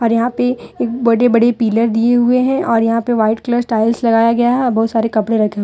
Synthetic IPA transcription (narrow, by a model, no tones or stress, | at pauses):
ɔːɾjɐɦãpeeːk̚bɐɽebɐɽepiːləɾd̪ieɦʊeɦɛ̃ʔɔːɾjɐɦãpeʋaːɪʈkləsʈaːɪlslɐɡaːjaɡɐjaɦɛɔɾbɔɦʊt̪saːɾekɐpɽeɾɐkʰẽ